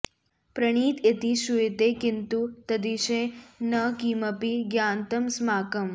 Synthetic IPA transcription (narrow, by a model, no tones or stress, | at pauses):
pɾɐɳ̃iːt̪et̪iʃuet̪ekint̪ut̪ɐd̪iʃẽnɐkimɐpiɡjaːnt̪ɐmsmaːkɐm